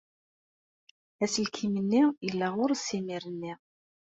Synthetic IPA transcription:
æsəlkʰimənːijəlːæʁʊɾsːimiɾənːiʁ

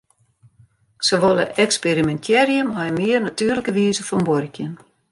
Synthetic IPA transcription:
səʋolˠəʔɛksperimɛntʰjɛrjəmɔjəmɪərnatyːrləkəʋiːzəfɔnbɔrəkʰjən

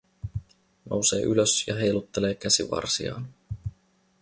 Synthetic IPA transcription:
nʔo̞̰wse̞̰ːʔyløsjɑɦe̞jlut̪ːe̞le̞ːkæsiʋɑ̰rsiɑ̰ːn

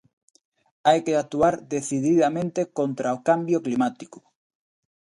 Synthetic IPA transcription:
ajkeat̪uaɾd̪eθiðiðamẽnt̪ekont̪ɾaokambjoklimat̪ikʊ̥

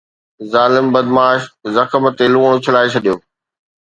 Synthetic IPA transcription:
zaːlɪmbɐd̪maːʃzɐkəmət̪elũːɽ̃ot͡ɕʰɐlaːet͡ɕʰɐɗijoː

